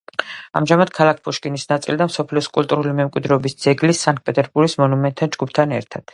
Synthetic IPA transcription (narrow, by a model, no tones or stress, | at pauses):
a̰mʒamad̪̥kʰalˠak̚ʰpʰuʃkʼinisnat̪sʼḭld̪amsɔpʰliɔskʼulˠt̪ʼuɾulimɛmkʼwid̪ɾɛːbisd̪z̥ɛɡlisaŋɡ̚pʼɛt̪ʼɛɾbuɾɡismɔnumɛnt̪ʰːand͡ʒɡupʰt̪ʰanɛɾt̪ʰad̪̥